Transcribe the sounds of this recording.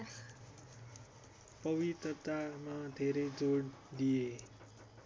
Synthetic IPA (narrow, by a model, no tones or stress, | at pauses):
pʌwit̪rʌt̪amad̪ʱeɾʌjd͡zoɽd̪ije